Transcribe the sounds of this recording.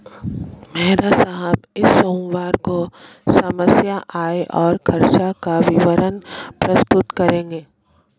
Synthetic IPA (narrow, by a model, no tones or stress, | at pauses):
mɛɦɾasaɦəbɪsːoːmʋaːɾko | sɐməsjaʔaːeʔɔːɾkʰɐɾt͡ʃakaʋɪʋəɾənpɾɐst̪ʊt̪kɐɾẽːɡeː